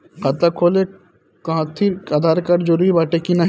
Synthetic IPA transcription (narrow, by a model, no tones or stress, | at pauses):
qɐt̪akʰoːle | kɐɦãt̪ʰiaːd̪ʱaːɾkɐɾd͡ʒʊɾibaːʈekinɐɦ